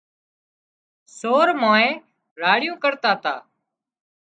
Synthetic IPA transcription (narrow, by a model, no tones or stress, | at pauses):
soːɾmãːẽː | ɾaːɽɪjũːkəɾt̪aːt̪a̰ː